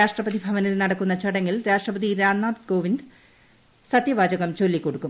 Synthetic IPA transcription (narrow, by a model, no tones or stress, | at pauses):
aːʂʈrɐpɐðibʱɐʋɐnilnɐɽɐkːunːɐt͡ɕɐɽɐŋːilɾaːʂʈrɐbɐðiɾaːnːaːt̪ko̞ːʋind̪ | sɐt̪jɐʋaːd͡ʑɐɣɐmt͡ɕo̞lːikːo̞ɽukːum